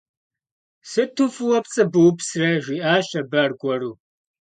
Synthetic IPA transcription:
sɨtʰufɨwɐpt͡sʼɨbɨwpsrɐʒʷiːʔaːɕɐbɐrɡʷɔruː

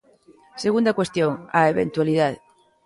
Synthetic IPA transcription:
seɣund̪akwest̪joŋaeβent̪waliðað

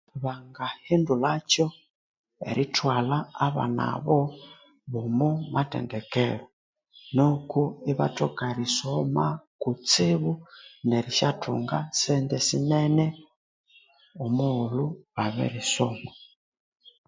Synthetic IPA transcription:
βaŋɡahindulat͡ʃɔ | ḛɾʔitwalaaβa̰na̰βɔ | βumumatɛ̰ndɛkɛlɔ | nokuiβa̰tokaɾisɔmakut͡siβuneɾiʃatʰṵŋɡasɛndɛsimɛnɛ | omuːluβaβɛ̰ɾisɔma

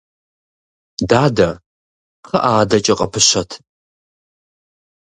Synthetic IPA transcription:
daːdɐ | χɐʔaːdɐt͡ʃʼɐqʼɐ̰pʰɨɕɐtʰ

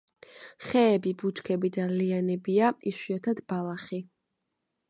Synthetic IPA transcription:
χɛːbibut͡ʃkʰɛbid̪alianɛbiaiʃiɔt̪ʰad̪̥balˠaχi

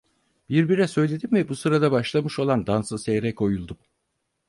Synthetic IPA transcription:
b̥iɾbiɾɛsø̞jlʲe̞d̪imvɛbusɯɾad̪abaʃlˠamɯʃo̞lˠand̪ansɯsejɾɛkʰo̞julˠd̪um

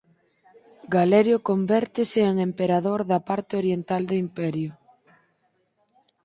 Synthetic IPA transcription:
ɡalɛɾjokombɛɾt̪ɪsɪeŋempeɾaðoɾðɐpaɾt̪eoɾjent̪ald̪ʊimpɛɾjʊ

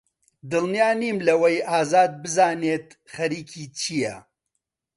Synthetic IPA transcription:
d̪ɨlnijaːniːmlɐwɐjʔaːzaːd̪̚bɨzaːneːt̪ | χɐɾiːkʰiːt͡ʃʰijɐ̰

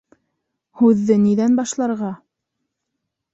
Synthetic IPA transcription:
hʉðːɘniðænbɑʃlˠɑɾʁɑ

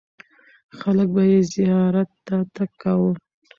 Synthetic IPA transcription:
xalək̚bajezɪjjɑɾat̪ːat̪akːawə

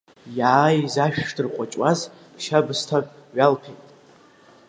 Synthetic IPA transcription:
jaːjizaʃᶣʂdɨrqʷʼat͡ʃʼwaz | ʃabɨstʰakʼɥalpʰejtʼ

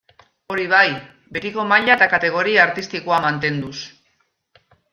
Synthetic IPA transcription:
o̞ɾiβ̞aj | be̞t̪iko̞maʎat̪akat̪e̞ɣ̞o̞ɾiaːɾt̪ist̪ikoamant̪e̞nd̪us

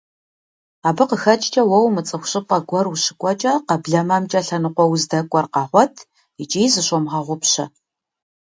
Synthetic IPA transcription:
aːbɨqəxɐt͡ʃʼt͡ʃʼɐwɐwmɨt͡sʼɨxʷɕɨpʼɐɡʷɔrwuɕɪkʷʼɔt͡ʃʼɐqɐbɮɐmɐːmt͡ʃʼɐɬɐnɨqʷɔwzdɐkʷʼɔrqɑːʁʷɔtʰ | it͡ʃʼiːzɨɕʷʼɔmʁɐʁʷʊpɕɐ

